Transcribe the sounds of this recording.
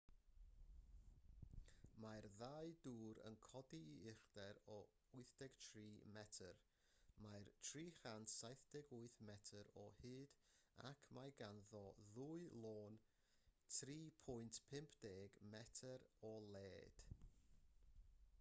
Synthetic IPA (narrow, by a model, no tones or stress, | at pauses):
majrðaɨduːɾə̰nkʰɔdiːɪrd̥ɛɾɔ | ʊɨθd̥ɛɡ̥tʰriːmɛtʰər | majrtʰriːχantsajθd̥ɛɡʊɨθmɛtʰəɾɔ̰hɨːd̥a̰kʰmajɡanðɔðuɨlˠoːn | tʰriːpʰɔjntʰpʰɪmpʰd̥eːɡmɛtʰəɾɔlˠeːd̥